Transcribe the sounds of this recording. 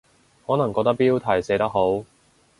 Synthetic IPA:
hɔː˨˥nɐ˨˩ŋkɔ˧k̚t̪ɐ˥k̚piː˥wt̪ʰɐ˨˩jse˨˥jt̪ɐ˥k̚ɦo˨˥w

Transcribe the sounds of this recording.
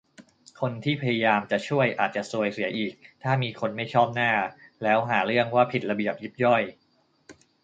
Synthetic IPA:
kʰo˧nt̪ʰiː˥˩pʰa˧ja˧jaː˧mt͡ɕa˨˩t͡ɕʰu˥˩əjʔa̰ː˨˩t̪̚t͡ɕa˨˩ʔsu˨˧əjsi˨˩˦ɐʔiː˨˩k̚t̪ʰaː˥˩miː˧kʰo˧nma˥˩jt͡ɕʰɔː˥˩p̚naː˥˩lɛː˦˥wɦaː˩˦ɾɯ˥˩əŋwaː˥˩pʰi˨˩t̪̚la˧bi˨˩əp̚ji˦˥p̚jɔ˥˩j

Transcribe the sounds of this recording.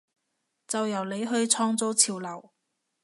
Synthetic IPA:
t͡sɐ˨wjɐ˨˩wle˨˧jɦɵ˧ɥt͡sʰɔː˧ŋt͡so˨˥wt͡sʰiː˨˩wlɐ˨˩w

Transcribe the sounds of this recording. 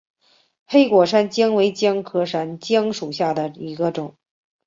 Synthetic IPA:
xe˥ɪkwɔ˨˩ʂa˥nt͡ɕjɑ˥ŋwe˧˥ɪt͡ɕjɑ˥ŋkʰɤ˥ʂa˥nt͡ɕjɑ˥ŋʂu˨˩ɕja˥˩d̪ə˩i˧˥ɡə˧ʈ͡ʂʊ˨˩˦ŋ

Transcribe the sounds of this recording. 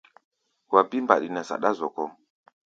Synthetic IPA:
wa˨bi˦mba̰˨ɗi˨nɛ˨sa̰˨ɗa˦zɔ˨kɔ˦m

